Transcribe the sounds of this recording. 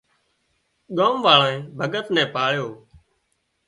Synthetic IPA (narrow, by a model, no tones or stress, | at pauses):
ɠoːmʋaːlãẽːbʱəɠət̪nɛ̃ːpaːɭjoː